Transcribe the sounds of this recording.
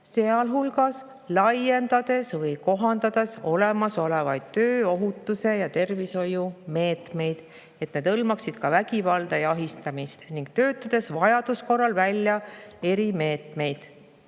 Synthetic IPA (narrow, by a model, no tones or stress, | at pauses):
se̞ɑlɦulɡɑs | lɑje̞nd̪̥ɑd̪e̞svɤjko̞ɦɑnd̪̥ɑd̪̥e̞so̞lemɑso̞levɑjd̪̥̚t̪øːo̞ɦut̪ːˑuse̞jɑt̪e̞rviso̞jume̞ːt̪me̞jd̪̥ | e̞t̪ne̞d̪ɤlmɑksid̪̥kɑvæɡ̥ivɑld̪̥ɑjɑɦist̪ɑmist̪niŋɡ̥̚t̪ø̞ːt̪ːˑɑd̪̥e̞svɑjɑd̪̥usko̞rːɑlvælʲjɑe̞ɾime̞ːt̪me̞jd̪̥